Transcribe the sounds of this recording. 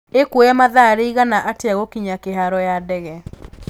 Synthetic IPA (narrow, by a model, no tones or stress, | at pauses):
ekwojamaðaɾeiɣanaʔatjaɣokiɲakeɦaɾɔjadɛɣɛ